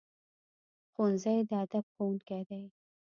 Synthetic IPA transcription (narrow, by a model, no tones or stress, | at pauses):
xonzajd̪əad̪ab̚xowunkad̪aj